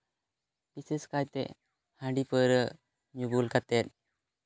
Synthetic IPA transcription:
piseskajt̪ḛ | hãɳɖipəɾə | ɲubulkat̪et̪̚

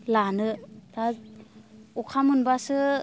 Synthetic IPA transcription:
lanɯta | ukʰamɯnbasɯ

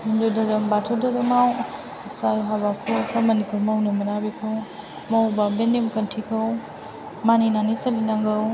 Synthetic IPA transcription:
mundodɐɾɐmbatʰɔdɐɾɯmaw | kisajɦabakʰukʰamɐnipuɾmawnɯmɐnabikʰɯw | mawbabenemkɐntʰikʰɯw | maninanisɐlinaŋɡɯw

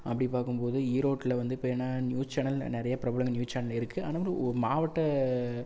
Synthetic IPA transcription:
ɐpːɐɽipaːɾkɯmpoːðɯiːɾoːʈːɪlɐʋɐnd̪ɯɪpːɐnːaːnjuːst͡ʃɐnɐlnɪɾɐjɐpɪɾɐbɐlɐŋɐnjuːst͡ʃɐːnɐlɪɾɯkːɯʔa̰ːnaːʋɐlɯɔɾɯmaːʋɐʈːɐ

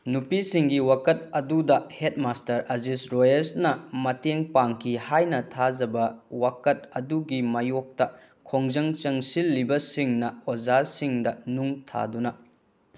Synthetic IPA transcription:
nupisiŋɡiwakɐt̚ɐdudɐhet̚mastɐɾʔɐzisɾojesnɐmɐteŋpaŋkʰihajnɐtʰad͡ʒɐbɐwakɐt̚ɐduɡimɐjok̚tɐ | kʰoŋzɐŋt͡ʃɐŋsilːibɐsiŋnɐozasiŋdɐnuŋtʰa̰dunɐ

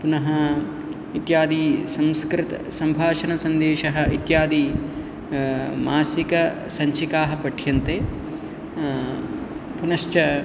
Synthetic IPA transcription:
punɐɦɐ | it̪jaːd̪iːsɐ̃mskɾɪt̪ɐ̰sɐmbʱaːʃɐnɐsɐnd̪eːʃɐɦɐ̆it̪jaːd̪i | maːsikɐ | sɐɲt͡ʃikaːɦɐpɐʈʰjɐnt̪eː | punɐʃt͡ʃɐ

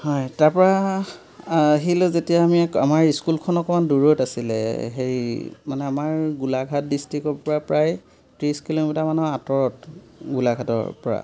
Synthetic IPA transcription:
hɔjtaɹpɔɹa | ɦilʊzetijaːmiamaɹiskulkʰɔnɔkɔmanduɹotasilɛ̰ɦeɹimanɛamaɹɡulaɡʱat̚distɹikɔɹpɔɹapɹaj | tɹiskilomitaɹmanɛatɔɹɔt | ɡulaɡʱatɔ̰ɹpɔɹa̰

